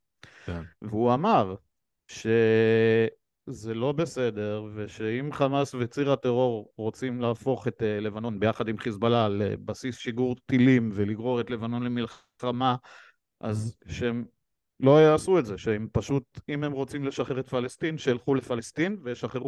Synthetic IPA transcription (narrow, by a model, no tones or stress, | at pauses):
veuamaʁ | ʃe̞ | ze̞lo̞be̞se̞de̞ʁveʃeimχamasvet͡siʁat̪eʁo̞ʁʁo̞t͡simlaːfo̞χe̞t̪ele̞vano̞nbejaχad̪imχisbalalḛbasisʃiɡuʁt̪ilimveliɡʁo̞ʁet̪le̞vano̞nlemilχ | ama | ʔazʃeem | lo̞jaasuetzeʃeempaʃutime̞mʁo̞t͡simle̞ʃaχeʁet̪falest̪inʃeːlχulefalest̪invejeʃaχeʁu